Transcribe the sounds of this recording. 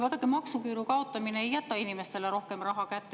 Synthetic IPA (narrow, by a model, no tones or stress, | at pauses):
vɑd̪̥ɑkːˑemɑksukyːɾukɑo̞t̪ːˑɑmineejːæt̪ːˑɑinime̞st̪e̞leɾo̞hke̞mrɑɦɑkæt̪ː